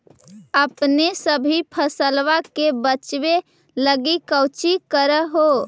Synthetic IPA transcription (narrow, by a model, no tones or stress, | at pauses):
əpnesəbʱipʰəsəlʋakebət͡ʃbe | ləɡikəwt͡ʃikəɾəɦo